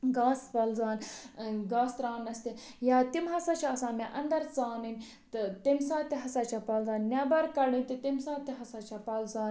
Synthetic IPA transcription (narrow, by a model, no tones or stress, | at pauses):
ɡaːspɐlzaːnɡaːst̪ɾaːnɐst̪ijaːt̪imɦɐsat͡ʃʰaɐsaːmeʔɐnd̪ɐɾt͡saːninʲ | t̪t̪imsaːt̪iɦɐsat͡ʃɐpɐlzaːnːaːbɐɾkɐɽinʲt̪it̪imsãːt̪iɦɐsat͡ʃʰɐpɐlzaːn